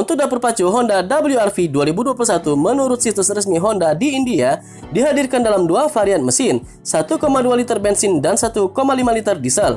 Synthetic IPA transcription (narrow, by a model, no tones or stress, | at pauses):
unt̪ʊk̚dapurpat͡ʃuɦɔndadabəljuarfiduaɾibuduapulsat̪umənuɾʊt̪̚sit̪usrəsmiɦɔndadiːndia | diɦadirkandalamduafaɾian̚məsɪn | sat̪ukomadualit̪ərbɛnsɪndansat̪ukomalimalit̪ərdisəl